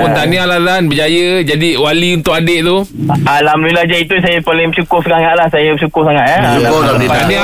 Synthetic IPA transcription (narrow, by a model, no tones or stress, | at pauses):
punt̪anialalanbəd͡ʒajəd͡ʒadiwaliunt̪ʊk̚adeʔt̪ualamlulad͡ʒait̪us̬ajəpalɪŋbəsukʊsəŋaŋaʔ̚lahsajəbəsukʊsaŋat̪̚aukiania